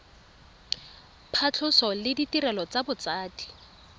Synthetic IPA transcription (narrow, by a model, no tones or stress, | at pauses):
pʰat͡ɬʰʊsɔlɪditirɛlɔt͡sabʊt͡saːti̥